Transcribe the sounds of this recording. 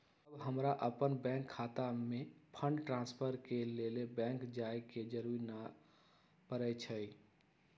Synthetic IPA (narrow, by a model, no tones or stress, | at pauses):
bɦəmɾaʔəpənbɛ̃ːŋkʰːaːt̪amẽpʰə̃ɳɖʈɾãːnspʰəɾkelelebɛ̃ːŋkd͡ʒaːeked͡ʒəɾuɾna | pəɾət͡ʃʰəi